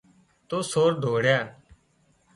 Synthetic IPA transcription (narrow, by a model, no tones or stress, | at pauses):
t̪oːsoːɾd̪ʱoːɽjaː